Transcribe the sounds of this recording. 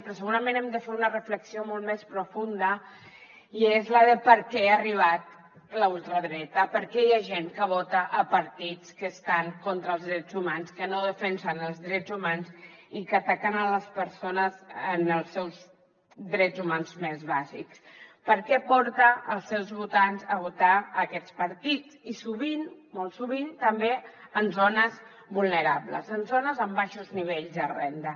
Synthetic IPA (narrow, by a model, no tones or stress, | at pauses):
pɾɔsəɣuɾəmẽnɛmd̪əfeɾunərəfləksiomolˠtmɛspɾufund̪ə | iezləðəpəɾkɛariβ̞at̪̚ | ləulˠt̪ɾəðɾɛt̪əpəɾkɛjaʒeŋkəβ̞ɔt̪əʔəpəɾt̪it͡skəst̪aŋkont̪ɾəlˠzðɾɛd͡zumanskənoðəfɛnsənəlˠzðɾɛd͡zumanzikət̪akənələspəɾsonəzənəlˠsːɛwz | d̪ɾɛd͡zumanzmezβazḭkspəɾkɛpɔɾt̪əʔəlˠsɛwzβut̪anzəβ̞ut̪aəkɛt͡spəɾt̪it͡sisuβinmolˠsuβ̞int̪əmbeənzonəz | bulˠnəɾablə̰zənzonəzəmbaʃuzniβ̞eʎzðərɛ̰nd̪ə